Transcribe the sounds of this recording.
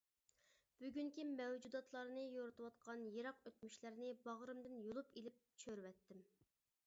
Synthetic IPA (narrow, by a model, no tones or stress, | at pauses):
b̥yɡʲyŋkʲimɛwd͡ʒud̪ɑt̪ʰlˠɑɾnɨjoɾɨt̪uwɑt̪̚qʰɑnjeɾɑqøt̪̚myʃlæɾnɪbɑʁɾɨmd̪ɪnjolˠupelɪp̚t͡ʃʰøɾwɛt̪ːɪm